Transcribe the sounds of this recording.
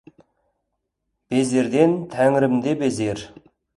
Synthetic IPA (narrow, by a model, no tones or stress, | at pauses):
b̥ezeɾd̪ent̪ʰæŋɪɾɪmd̪ebezeɾ